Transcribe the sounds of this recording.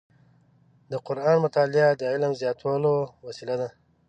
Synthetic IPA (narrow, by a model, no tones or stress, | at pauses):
d̪əqʊɾɑːnmʊt̪ɑːlɪad̪əɪlmzjɑt̪wɑlowasilad̪a